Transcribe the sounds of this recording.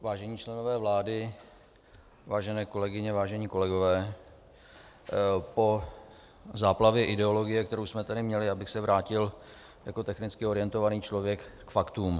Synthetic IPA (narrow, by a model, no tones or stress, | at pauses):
vaːʒɛɲiːt͡ʃlɛno̞vɛːvlaːdɪ | vaːʒɛnɛːko̞lɛɡɪɲɛvaːʒɛɲiːko̞lɛɡo̞vɛː | po̞ | zaːplavjɛʔɪdɛo̞lo̞ɡɪjɛk̚t̪ɛɾowsmɛt̪adɪmɲɛlɪabɪxsɛvɾʔaːcɪl | jako̞t̪ɛxnɪt͡skɪo̞ɾɪjɛnt̪o̞vaniːt͡ʃlo̞vjɛkːfakt̪uːm